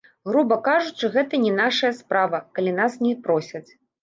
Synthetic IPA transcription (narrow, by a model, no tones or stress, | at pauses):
ɣɾubɐkaʐut͡ʂɨɣɛt̪ɐnʲɛnaʂɐjɐspɾavɐkalʲin̪asnʲɛpɾɔsʲɐt͡sʲ